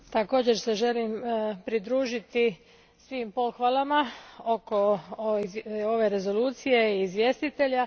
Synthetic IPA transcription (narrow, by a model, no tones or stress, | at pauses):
t̪ako̞ːd͡ʑe̞ɾseʒe̞limpɾid̪ɾuːʒit̪i | sʋiːmpo̞xʋalˠamaoko̞ | o̞ʋe̞ɾe̞zo̞luːt̪sije̞iːzʋje̞st̪it̪e̞ʎa